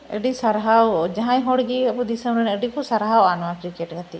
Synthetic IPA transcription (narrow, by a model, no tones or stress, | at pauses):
ə̰ɖisɐɾɦawd͡ʒɐɦãj̃ɦɔɽɡiɐpud̪isəmɾənəɖikʰusɐɾɦawanwakɾikeʈɡʱɐt̪i